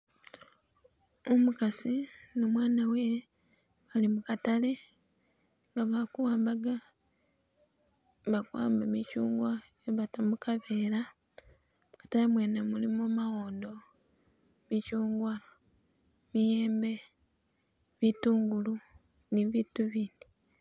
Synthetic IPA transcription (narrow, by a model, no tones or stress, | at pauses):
omukasinomwaːnawe | βalimukatale̞ | ŋɡaβakuwaːmbaɡa | βakuwa̰ːmbamicuːŋɡwa | eβatamukʰaβeːɾa | mukḁtalemweːnamulimomaɣo̞ːndo̞ | micuːŋɡwa | mijeːmbe̞ | βituːŋɡulu | niβituβiːndi